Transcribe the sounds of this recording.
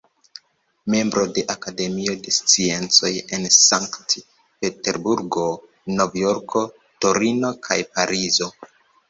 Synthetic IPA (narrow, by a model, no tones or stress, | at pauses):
me̞mbɾo̞de̞ʔakade̞mio̞de̞st͡sie̞nt͡so̞je̞nsaŋkt | pe̞te̞ɾbuɾɡo̞ | novjo̞ɾkʰo̞ | to̞ɾino̞kʰa̰jpaɾʔizo̞